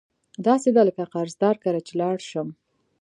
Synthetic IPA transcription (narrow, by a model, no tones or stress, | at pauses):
d̪ɑsed̪ɑləkaqaɾzd̪ɑɾkaɾat͡ʃelɑɽʃəm